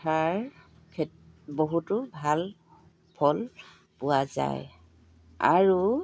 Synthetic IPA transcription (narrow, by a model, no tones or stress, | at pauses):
tʰaɹ | kʰɛ | boɦutʊbʱal | pʰɔl | pʊwaza̰j | a̰ɹu